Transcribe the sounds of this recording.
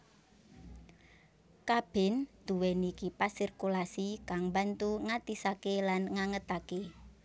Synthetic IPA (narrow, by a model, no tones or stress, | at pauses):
kab̥ɪ̤nd̪̥ṳwɛnikipasirkulasikaŋbant̪uŋat̪isakelanŋaŋət̪ake